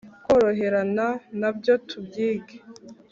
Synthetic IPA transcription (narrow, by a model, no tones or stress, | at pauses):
koɾo̞ɦe̞ɾananabjo̞tʰubɡiːɡe